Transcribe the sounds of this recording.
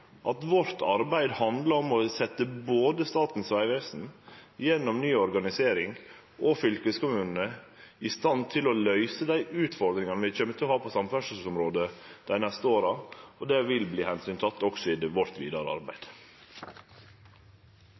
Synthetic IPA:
ʔɑt̪ʋɔɾt̪ʰɑ̰ɾbæɪd̪hɑnd̪lɑɾɔmɔsɛt̪ːəboːd̪əst̪ɑːt̪n̩sʋæɪʋeːsn̩jɛnːɔmnyːɔɾɡɑnɪseːɾɪŋ | ʔɔfʏlkəskʊmʉːnn̩əɪst̪ɑnt̪ʰɪlɔlœʏsəd̪æɪʔʉːt̪fɔɾd̪ɾɪŋɑnəʋɪçøːmət̪ʰɪlhɑːpʰɔsɑmfæʂəsɔmɾoːd̪əd̪̥æɪnɛst̪əoːɾɑɔd̪ɛʋɪlbliːhɛnsyːnt̪ʰɑt̪ːɔksɔɪd̪əʋɔɾt̪ʋiːd̪ɑɾəɑ̰ɾbæ̰ɪd̪̥

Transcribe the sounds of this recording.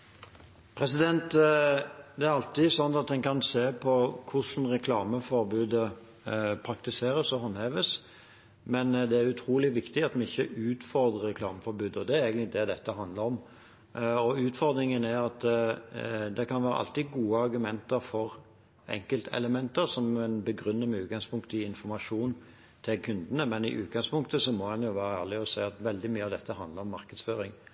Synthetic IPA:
pʰɾɛsɪd̪ɛnt̪ | d̪ɛæɾɑlt̪ɪsɔnt̪ːɑt̪̚d̪ɛnkʰɑnseːpʰɔkʰʊʂn̩ɾɛkʰlɑːməfɔɾbʉːd̪ə | pʰɾɑkt̪ɪseːɾəsɔɦɔnheːʋəs | mɛnd̪ɛæɾʉt̪ʰɾuːlɪʋɪkt̪ɪɑt̪mɛɪçːəʉːt̪fɔɾd̪ʁəɾɛkʰlɑ̰ːməfɔɾbʉːd̪əɔd̪ɛæɾeːɡənɪd̪ɛd̪ɛt̪ːəɦɑnd̪ləɾɔm | ɔʉːt̪fɔɾd̪ɾɪŋənæɾɑt̪ | d̪ɛkʰɑnʋæːɾə̰ʔɑ̰lt̪ɪɡuːəɑɾɡʉmɛnt̪əɾfɔɾ | ɛ̰ŋkəlt̪ʰɛ̰ləmɛnt̪əɾsɔmɛnbəɡɾʉnːəməʉːt̪ɡɑŋspʰʊŋkt̪ɪɪnfɔɾmɑʂuːn | t̪ʰɪlkʰʉnd̪ənəmɛnɪ̰ʔʉːt̪̚ɡɑŋspʰʊŋkt̪əsɔmɔhɑnjʊʋæːɾəæːʁlɪɔsæɪɑt̪ʋɛld̪ɪmyːəɑʋd̪ɛt̪ːəɦɑnd̪ləɾɔmːɑɾkəd̪sføːɾɪŋ

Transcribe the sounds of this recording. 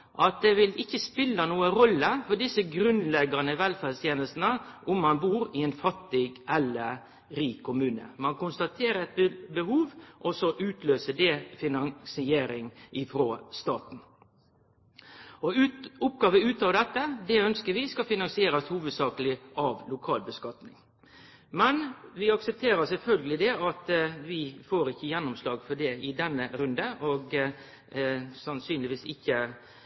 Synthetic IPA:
ʔɑt̪̚d̪ɛʋɪlɪçːəspɪlːənuːəɾɔlːəfɔɖ̪ɪsəɡɾʉnlɛɡɑnəʋɛlfæst̪ʰjeːnəlst̪n̩əʔʊmːɑnbuːɾɪɛnfɑt̪ːɪɡʔɛlːə | ɾiːkʰːʊmʉːnə̰mɑnkʊnst̪ɑt̪ʰeːɾəɛt̪̚bəhuːʋʔɔsɔʔʉːt̪ʰløːsəd̪ɛfɪnɑŋsɪeːɾɪŋʔɪfɾoːst̪ɑ̰ːt̪n̩ | ɔʊp̚ːɡɑːʋəʉːt̪ɑːʋd̪ɛt̪ːəd̪ɛœnskəɾʋɪskɑfɪnɑŋsɪeːɾɑshuːʋəd̪sɑːkəlɪʔɑʋlʊkʰɑːlbəskɑt̪nɪŋ | mɛnʋɪɑksəp̚t̪ʰeːɾəsɛlfœlɡəlɪd̪ɛɑt̪ʋɪfoːɾɪçːəjɛnːʊmslɑːɡfɔɖɛɪd̪ɛnːəɾʉnd̪əʔɔɡ | sɑnsyːnlɪʋiːsɪçːə

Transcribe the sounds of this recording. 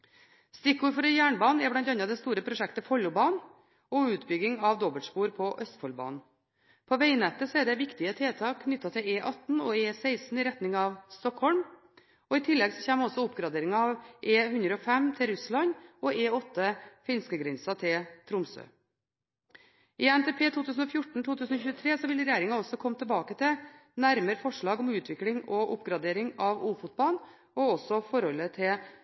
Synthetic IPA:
st̪ɪkːuːɾfɔɾɛjæːɳbɑːnɛɾblɑnt̪ɑnɑd̪ɛst̪uːɾəpʰɾʊʂɛkt̪əfɔlʊbɑːn | ɔʉːt̪bʏɡɪŋɑʋd̪ɔbəlʈspuːɾpʰɔʔœst̪fɔlbɑ̰ːnn | pʰoʋæɪnɛt̪ːəsɔɛɖɛʋɪkt̪ɪət̪ʰeːt̪ʰɑːkʰnʏt̪ːɑt̪ʰɪleːʔɑt̪nɔeːsæɪsn̩ɪɾɛt̪nɪŋɑʋst̪ɔkhɔlm | ɔːɪt̪ʰɪlːɛɡsɔçeːməɔsɔʊpɡɾɑd̪eːɾɪŋɑɑːʋʔeːɦʉnd̪ɾəɔfɛmt̪ʰɪlɾʉslɑɲɔeːɔt̪ːəfɪnskəɡɾɪnsɑt̪ʰɪlt̪ʰɾʊmsø̰ː | ɪænt̪ɛpʰeːt̪ʰuːt̪ʰʉːs̬n̩ɔfjʊʈːɳ̩t̪ʰuːt̪ʰʉːsn̩ɔçʉːət̪ʰɾeːsɔʋɪlɾɛjæːɾɪŋɑɔsɔkʰɔmːət̪ʰəbɑːkət̪ʰɪnæɾməɾfɔʂɭɑːɡɔmʉːt̪ʰʋɪklɪŋɔʔʊpːɡɾɑd̪eːɾɪŋɑʋuːfʊt̪̚bɑn | ɔɔsɔfɔɾhɔlːət̪ʰɪ

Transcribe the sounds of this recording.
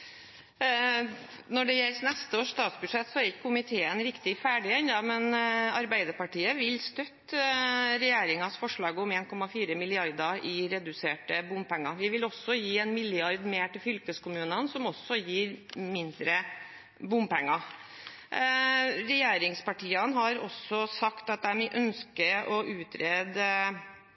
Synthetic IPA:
nɔɖɛjɛlsnɛst̪əoːʂːt̪ɑːt̪sbʉʂɛt̪ːsɔæɾɪkːəkʰʊmɪt̪ʰeːənɾɪkt̪ɪfæːɖɪɛnd̪ɑmɛnɑɾbæɪd̪əɾpɑʈiːəʋɪlst̪œt̪ | ɾɛjeːɾɪŋɑsfɔʂɭɑːɡʊmeːnkʰɔmɑfiːɾəmɪlɪɑɾd̪ɑɪɾɛd̪ʉseːʈəbʊmpɛŋːɑʋɪʋɪlɔsːɔjiːɛnmɪlɪɑɾd̪meːʈɪlfʏlkəskʊmʉːnənsɔmɔsɔjiːɾmɪnd̪ɾə | bʊmpɛŋːɑ | ɾɛjeːɾɪŋspɑʈiːənɦɑɾɔsɔsɑkt̪ɑt̪̚d̪æmiʔœnskəʔɔʔʉːt̪ɾeːd̪

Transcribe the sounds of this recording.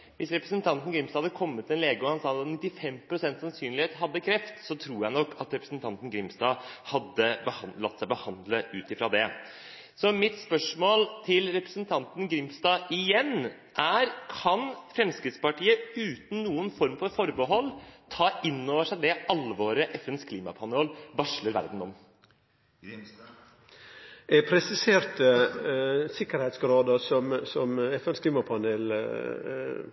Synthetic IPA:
ʋɪsɾɛpɾəsnt̪ʰɑnt̪n̩ɡɾɪmst̪ɑhɑd̪ːəkʰɔmːət̪ʰːɪɛnleːɡəɔhɑnsɑːt̪nɪt̪ːɪfɛmpʰɾʊsɛnt̪sɑnsyːnlɪheːt̪ɦɑd̪ːəkʰɾɛft̪sɔt̪ʰɾuːjæɪnɔkːɑt̪ɾɛpɾəsnt̪ʰɑnt̪n̩ɡɾɪmst̪ɑːhɑd̪ːəbəhlɑt̪ːsæɪbəhɑnd̪ləʉːt̪ɪfɾɑd̪ɛ | sɔmɪt̪spœʂmoːlt̪ʰɪlɾɛpɾəsnt̪ʰɑnt̪n̩ɡɾɪmsd̪ɑːʔɪjɛnː | ʔæɾkʰɑnfɾɛmskɾɪt̪spɑʈiːəʉːt̪n̩nuːənfɔɾmfɔɾfɔɾbəɦɔlːt̪ʰɑːɪnːoːʋəʂæɪd̪ɛʔɑlʋoːɾəʔɛfɛnskʰliːmɑ̰pʰɑnoːlbɑʂləɾʋæ̰ɾd̪n̩ɔ̰m | ɛpʰɾɛsɪseːɾt̪ə | sɪkːəɾhɛɪt̪sɡɾɑːd̪əsɔmsɔmɛfɛnskliːmɑpʰɑnel

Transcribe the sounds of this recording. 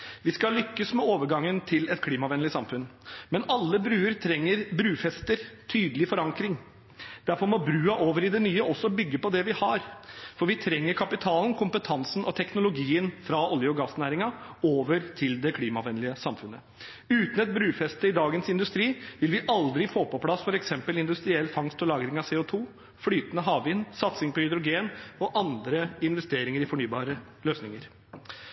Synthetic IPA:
ʋɪskɑlʏkːəsmɛoːʋəɾɡɑŋːənt̪ʰɪlɛt̪kʰliːmɑʋɛnlɪsɑmfʉnmɛnɑlːəbɾʉːəɾt̪ʰɾɛŋːəɾbɾʉːfɛst̪əɾt̪ʰyːd̪əlɪfɔɾɑŋkɾɪŋ | d̪̥æɾfɔɾmɔbɾʉːɑʔoːʋəɾɪd̪ɛnyːəʔɔsːɔbʏɡːəpɔd̪ɛʋɪhɑɾfɔɾʋɪt̪ʰɾɛŋːəɾkʰɑpɪt̪ʰɑːln̩kʰʊmpət̪ʰɑnsn̩ʔɔt̪ʰɛknʊlʊɡiːənfɾɑʔɔljəɔɡɑsnæːɾɪŋɑoːʋəɾt̪ʰɪld̪ɛkʰliːmɑʋɛnlɪəsɑmfʉnːə | ʉːt̪ən̩ɛt̪̚bɾʉːfɛst̪əɪd̪ɑːɡənsɪnd̪ʉst̪ɾiːʋɪlʋɪʔɑld̪ɾɪfoːpɔpʰlɑsfɔɾɛksɛmpəlɪnd̪ʉst̪ɾɪɛlːfɑŋst̪ɔlɑːɡɾɪŋɑseːʊt̪ʰuː | fɽyːt̪ənəɦɑːʋʋɪnsɑt̪sɪŋpɔhʏd̪ɾʊɡeːnɔʔɑnd̪ɾəɪnʋɛst̪eːɾɪŋəɾɪfɔɳyːbɑːɾə | løːsnɪŋəɾ

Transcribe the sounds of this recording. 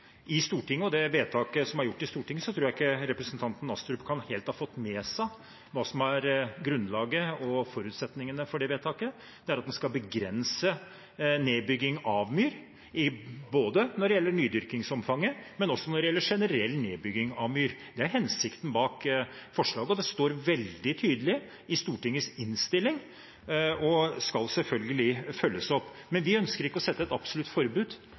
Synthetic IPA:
ʔɪst̪uːʈɪŋːəɔd̪ɛʋeːt̪ʰɑːkəsɔmæɾjʊʈːɪst̪uːʈʰɪŋːəsɔt̪ʰɾuːɾæɪkːəɾɛpɾəsnt̪ʰɑnt̪n̩ɑst̪ɾʉpkʰɑnheːlt̪hɑːfɔt̪ːmɛːsæ | ʋɑːsɔmæɾɡɾʉnlɑːɡəɔfɔɾʉːt̪sɛt̪nɪŋənəfɔɖɛʋeːt̪ʰɑːkə | d̪̥ɛæɾɑt̪d̪ɛnskɑlbəɡɾɛnsə | neːbʏɡːɪŋɑʋmyːɾ | ɪboːd̪ənɔɖɛjɛlːəɳyːd̪ʏɾkɪŋsɔmfɑŋːəmɛnɔsːɔnɔɖɛjɛlːəʂɛnəɾɛlːneːbʏɡɪŋɑʋmyːɾd̪̥ɛæɾɦɛnsɪkt̪n̩bɑːkfɔʂɭɑːɡəɔd̪d̪ɛst̪oːɾʋɛld̪ɪt̪ʰyːd̪əlɪ | ɪst̪uːʈɪŋːəsɪnst̪ɪlːɪŋ | ɔskɑlsɛlfœlɡəlɪfœlːəsɔpː | mɛnʋɪœnskəɾɪkːəɔsɛt̪ːəɛt̪ɑbsɔlʉt̪ːfɔɾbʉːd̪

